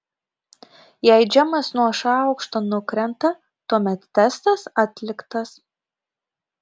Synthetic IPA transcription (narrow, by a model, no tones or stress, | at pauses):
jɛɪd͡ʒʲɛmɐsnuɔʃɑˑʊkʃt̪oːnʊkɾʲɛnt̪ɐ | t̪uɔmʲɛt̪ːʲɛst̪ɐsɑːt̪ʲlʲɪkt̪ɐs